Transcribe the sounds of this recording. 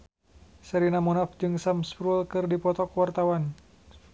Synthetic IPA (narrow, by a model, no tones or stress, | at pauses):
səɾinamɔnafd͡ʒɨŋsamspɾulkɨrdipɔt̪ɔkwart̪awan